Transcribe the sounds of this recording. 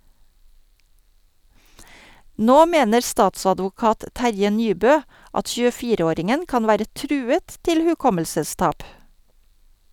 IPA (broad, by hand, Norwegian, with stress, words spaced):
ˈnoː ˈmeːnəɾ ˈstɑːtsɑdʋʊˌkɑːt ˈtæɾjə ˈnyːbœ ˈɑt çʉːəˈfiːɾə ˈoːɾɪŋən ˈkɑn ˈʋæːɾə ˈtɾʉːət ˈtɪl hʉˈkɔməlsəˌstɑːp